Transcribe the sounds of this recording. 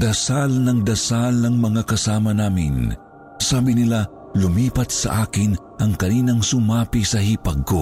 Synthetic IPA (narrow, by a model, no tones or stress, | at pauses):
d̪̥ɐsalnɐŋd̪ɐsalnɐŋmɐŋakɐsaːmɐnaːmɪ̰n | saːbɪnɪla | lʊmiːpɐt̪̚sɐ̰ʔaːkɪn | ʔɐŋkɐniːnɐŋsʊmaːpisɐɦipɐɡ̚ko